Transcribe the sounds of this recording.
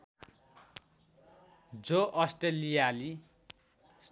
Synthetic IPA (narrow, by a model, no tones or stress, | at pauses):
d͡zoʔʌsʈelijali